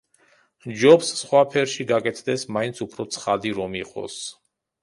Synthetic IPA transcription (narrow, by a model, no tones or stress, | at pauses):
d͡ʒɔpsːχwapʰɛɾʃiɡakʼɛt̪ʰd̪ɛsmaint̪sʰupʰɾɔt̪sʰχad̪iɾɔmiqʼɔ̰s